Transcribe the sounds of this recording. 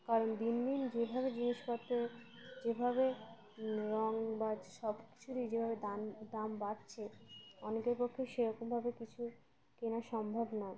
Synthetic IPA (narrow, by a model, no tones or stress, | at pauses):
kaɾond̪ind̪ind͡ʑebʱabed͡ʑiniʃpɔt̪ːɾod͡ʑebʱabe | ɾɔŋbaʃɔbki̥t͡ɕʰuɾid͡ʑebʱabed̪and̪ambatt͡ɕʰeɔnekeɾpokʰːeʃeɾɔkombʱabekit͡ɕʰu | kenaʃɔmbʱabnɔe